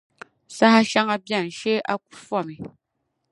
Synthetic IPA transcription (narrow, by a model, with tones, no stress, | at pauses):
sa˦ha˦ʃa˦ŋa˦bja˦˨n̩˨ʃe˦ʔa˦ku̥˦fɔ˦˨mi˨